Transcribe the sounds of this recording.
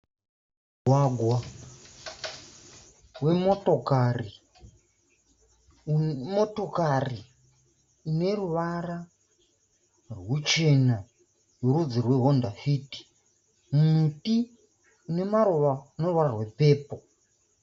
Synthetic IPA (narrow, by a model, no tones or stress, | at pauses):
ɡʱwaɡʱwa | we̞motokari | moto̞kariː | ne̞ruʋara | rwut͡ʃe̞na | jurud͡zirwe̞ɦondafiːti̥ | mumuti | une̞maɾoʋaune̞ruʋararwe̞peːpo